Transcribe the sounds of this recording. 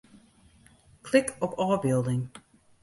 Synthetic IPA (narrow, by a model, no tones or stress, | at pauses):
kʰlɪkʰɔpɔːbɪlˠdɪŋ